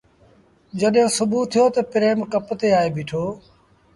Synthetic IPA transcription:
d͡ʒəɗɦõːsʊbʱuːt̪ʰijoːt̪əpɪɾeːmkəpt̪eːaːeːbɪːʈʰoː

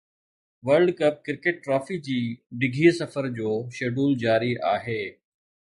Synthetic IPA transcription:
ʋəɾɖkɐp̚kɪɾkeːʈːɾɔːfid͡ʑiːɖɪɡʱiːsɐfəɾd͡ʑoːʃeːɖuːld͡ʑaːɾiʔaːɦeː

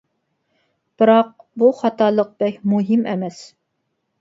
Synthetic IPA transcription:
b̥ɨɾɑq̚buχɑt̪ʰɑlˠəq̚b̥ɛkʲmuɦɪmʔɛmɛs

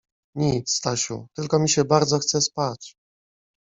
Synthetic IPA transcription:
ɲit̪st̪aɕṵt̪ɘlkɔmʲiɕɛbaɾd̪zɔxt̪sɛspat͡ɕ

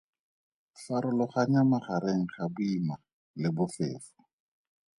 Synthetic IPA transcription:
faɾʊlɔχaɲamaχaɾeŋ̩χabʊima | lɪbʊfḛːfʊ̥

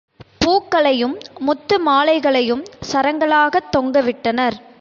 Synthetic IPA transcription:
puːkːɐɭɐjɯmːʊt̪ːɯmaːlɐɪɣɐɭɐjɯmsɐɾɐŋɡɐɭaːɣɐt̪ːɔŋɡɐʋɪʈːɐnɐɾ

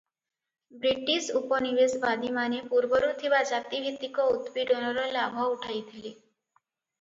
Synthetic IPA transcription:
bɾiʈisupɔnibesbad̪imanepuɾbɔɾut̪ʰibad͡ʒat̪ibʱit̪ːikɔut̪biɖɔnɔɾɔlabʱɔuʈʰajt̪ʰili

